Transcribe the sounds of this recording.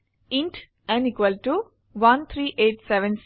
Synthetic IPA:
ĩɳʈ | ɛ̃nikʋɐlʈu | ʋɐnt̪ʰɾiːʔeːʈsɛʋɛ̃ns

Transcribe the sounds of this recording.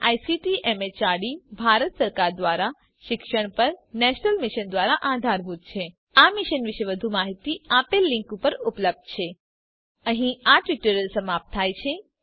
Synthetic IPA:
ajsiʈiʔemet͡ʃaɽibʱaɾət̪səɾkaɾd̪ʋaɾa | ʃɪkʃəɳ̃pəɾnɛʃnəlmɪʃənd̪ʋaɾaʔad̪ʱaɾbud̪̚t͡ʃʰe | amiʃənʋiʃeʋəd̪ʱumaɦit̪iapelːɪ̃ŋkupəɾupləb̚d̪̚t͡ʃʰe | əɦĩaʈʋiʈəɾəlsəmap̚t̪t̪ʰːajt͡ʃʰe

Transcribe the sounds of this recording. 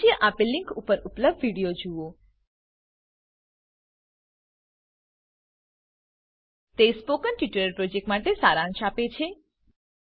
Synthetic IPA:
jəʔapilːiŋkupːəɾupləb̚d̪ʋiɽijod͡ʒuo | t̪espokənʈiʈəɾəɾpɾod͡ʒek̚ʈmaʈesaɾãnʃapet͡ʃʰe

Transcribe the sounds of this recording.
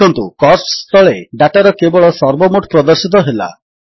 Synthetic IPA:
ɔnt̪ukɔssst̪ʰɔɭeɖaʈaɾɔkebɔɭɔsɔɾbɔmoʈpɾɔd̪ɔɾsit̪̬ɔɦela̰

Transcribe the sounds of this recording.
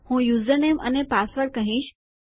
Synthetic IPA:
hũjuzənemə̰nepasʋəɾɽkəɦĩːʃ

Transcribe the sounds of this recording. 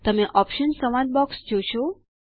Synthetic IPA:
t̪əmeʔɔpʃənsəmãn̚bɔksd͡ʒoʃo

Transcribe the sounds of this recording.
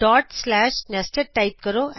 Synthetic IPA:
ɖaːʈslaːʂnɐsʈɐʈɐɪp̚kɐɾoːʔ

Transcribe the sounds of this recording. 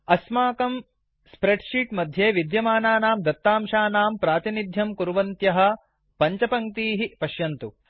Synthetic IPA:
ɐsmaːkɐm | spɾeɖʂiːʈmɐd̪ʱjeːʋid̪jɐmaːnaːnaːmd̪ɐt̪ːaːmʃaːnaːmpɾaːt̪inid̪ʱjɐmkuɾʋɐnt̪jɐɦɐ | pɐɲt͡ʃɐpɐŋt̪iːɦipɐʃjɐnt̪u

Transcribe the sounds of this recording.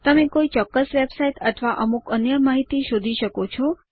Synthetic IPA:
t̪əmẽkoit͡ʃɔkːəsʋebsaiʈət̪ʰʋaʔəmukənjəmaɦit̪iʃod̪ʱiʃəkot͡ʃʰɔ

